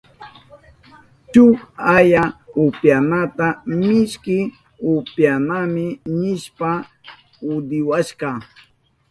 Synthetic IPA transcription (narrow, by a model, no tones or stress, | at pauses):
t͡ʃʊkajaʊpjanat̪amɪʃkɪ | ʊpjanamɪnɪʃpa | ʊd̪ɪwaʃqɑ